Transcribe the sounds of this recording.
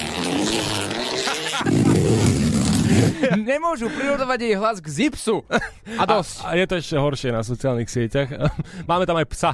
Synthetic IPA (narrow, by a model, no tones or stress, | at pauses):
ɲɛmʊɔʒupɾiɾɔd̪ɔʋaɟɛjɦlazɡzipsu | ad̪ɔscjɛt̪ɔɛʃcɛɦɔɾʃɪɛnasɔt͡sɪaːlnixsɪɛcaxmaːmɛt̪amajpsa